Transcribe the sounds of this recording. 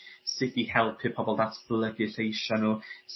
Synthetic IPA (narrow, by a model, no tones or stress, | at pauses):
sɨdihɛlˠpʰɨpʰɔbɔlˠdatʰb̥lˠəɡɨθejʃanus